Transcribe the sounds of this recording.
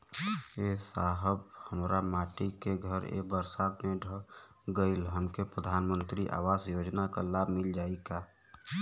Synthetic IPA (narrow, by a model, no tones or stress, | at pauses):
esaɦəbhəmɾamaʈikeɡʱəɾḛbəɾsad̪meɖʱə | ɡəɪlɦəmkepɾəd̪ʱanmənt̪ɾiʔa̰wazjod͡ʒnaka̰labʱmild͡ʒaika